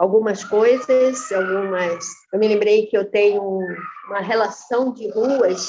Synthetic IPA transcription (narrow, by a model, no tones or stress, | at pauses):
awɡũmɐskojzɐsawɡũmɐsewmɪlẽmbɾejkɪewt̪ẽɲʊuũmɐɦelasɐ̃w̃d͡ʒɪɦuɐs